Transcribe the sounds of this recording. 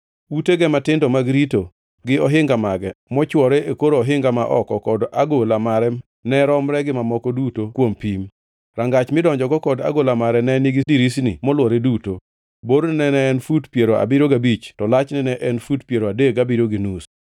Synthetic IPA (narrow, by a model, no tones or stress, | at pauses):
uteɡɛmatɪndɔmaɡɾito | ɡɪɔɦɪŋɡamaɡɛmɔt͡ʃwɔɾeekoɾoɔɦɪŋɡamaʔɔ̰kɔkɔdaɡolamaɾɛ | nɛɾɔmɾɛɡɪmamɔkɔdutokwompim | ɾaŋɡat͡ʃmɪdɔɲd͡ʒɔɡɔkɔda̰ɡolamaɾɛnɛnɪɡɪdiɾisnḭmɔlwɔɾeduto | boɾnnɛnɛːnfutpjeɾoa̰biɾoɡabit͡ʃtɔlat͡ʃnɛnɛʔɛnfutpjeɾoadeɡabiɾoɡinus